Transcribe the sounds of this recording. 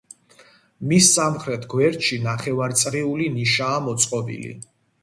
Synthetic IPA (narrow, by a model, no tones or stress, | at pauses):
misːamχɾɛt̪ʰɡwɛɾt̪ʃinaχɛvaɾt̪sʼɾiuliniʃaːmɔt̪sʼqʼɔbḭlḭ